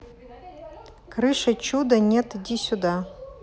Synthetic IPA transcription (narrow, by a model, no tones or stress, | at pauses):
kʰrɨʂat͡ʃʰud̪anʲetʰdʲisʲuda